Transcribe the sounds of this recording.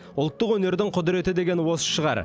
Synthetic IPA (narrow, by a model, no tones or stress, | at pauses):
ʊlˠt̪ːəqwɵne̞ɾd̪ɪŋqʰʊd̪ɪɾe̞t̪ɪd̪e̞ɡʲe̞nwo̞sə̥ʃəʁɑ̰ɾ